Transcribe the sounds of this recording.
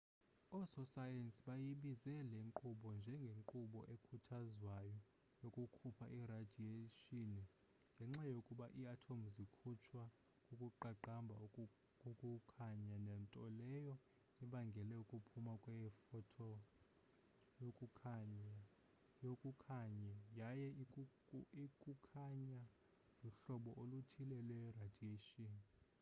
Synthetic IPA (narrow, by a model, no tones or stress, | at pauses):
ɔsɔsajɛnsʼiɓajiɓizɛleŋǃuɓɔnd͡ʒʱɛŋɡʱeŋǃuɓɔ̰ʔekʰutʰazwajɔ | jokʼukʰupʰaʔirad̥ʱieʃini | ŋɡʱɛŋ͡ǁajokʼuɓaʔiatʰom̩zikʰut͡ʃʰwa | kʼukʼuǃaǃambʱa | okʼukʰaɲanɛntʼɔlɛjɔ | iɓaŋɡʱɛlɛukʼupʰumakʼwɛfɔtʰɔ | jokʼukʰaɲa | jokʼukʰaɲɛjajɛ | ikʼukʰaɲa | luɬɔɓɔʔolutʰilɛlwɛrad̥ʱieʃʼiːni